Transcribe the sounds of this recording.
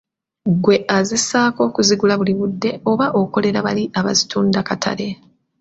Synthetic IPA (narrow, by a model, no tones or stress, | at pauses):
ɡwe̞ʔazisaːko̞ːkuziɡulaβuliβudːe̞o̞βaʔoko̞le̞ɾaβaliʔaβa̰zituːndakatʰa̰le̞